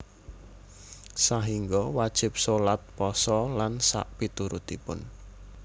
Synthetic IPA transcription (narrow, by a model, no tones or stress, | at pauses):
saɦiŋɡɔwad̥ʒ̥ɪ̤p̚solat̪̚pɔsɔlansa̰ʔpit̪uɾut̪ipʊn